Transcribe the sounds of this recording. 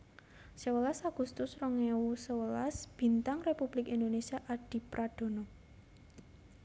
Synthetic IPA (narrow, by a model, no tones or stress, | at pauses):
səwəlasaɡ̥ṳst̪ʊsrɔŋewusəwəlasb̥i̤nt̪aŋrepub̥lɪkind̪onesiaʔaɖ̥i̤pɾad̪̥o̤nɔ